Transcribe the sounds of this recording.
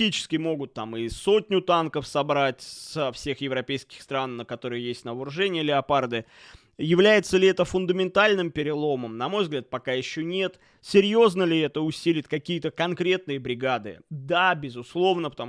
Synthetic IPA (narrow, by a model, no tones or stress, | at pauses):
it͡ɕɪ̥skʲɪmo̞ɡʊt̪ːamɪso̞tʲnʲʊt̪ankəfsɐbɾatʲsəfsʲe̞xjɪvɾɐpʲejskʲɪ̥xst̪ɾanːəkɐt̪o̞ɾɨjjesʲtʲnəvəɾʊʐɛnʲɪjəlʲɪɐpard̪ɨ | jɪvlʲæjɪt̪səlʲɪɛt̪əfʊnd̪əmʲɪnt̪alʲnɨmpʲɪɾʲɪlˠo̞məmnɐmo̞jvzɡlʲat̪̚pɐkajɪɕːonʲe̞t̪ | sʲɪɾʲjo̞znəlʲɪɛt̪əʊsʲilʲɪtʲkɐkʲijət̪əkɐnkɾʲe̞t̪̚nɨjəbɾʲɪɡad̪ɨ̰d̪abʲɪzʊslˠo̞vnəpə̥t̪ɐ